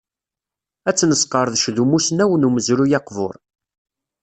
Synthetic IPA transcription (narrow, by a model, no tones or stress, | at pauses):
æt͡sːnəsqəɾˤðʃðumusnæwənuməzɾujɑqvʊ̰ɾˤ